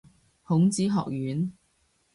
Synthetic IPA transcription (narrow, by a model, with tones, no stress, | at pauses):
hʊ˨˥ŋt͡siː˨˥ɦɔ̰ː˨k̚jyː˨˥n